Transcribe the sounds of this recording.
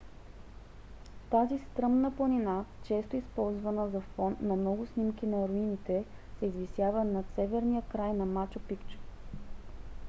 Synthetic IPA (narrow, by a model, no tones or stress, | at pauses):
t̪azist̪ɾɤmnəplˠənʲinat͡ʃɛst̪oispɔlˠzvənəzɐfɔnnːɐmnɔɡʊsnimkʲinɐɾoinit̪ɛsɛizvisjavənɐsɛvɛɾnijəkɾajnɐmat͡ʃopikt͡ʃ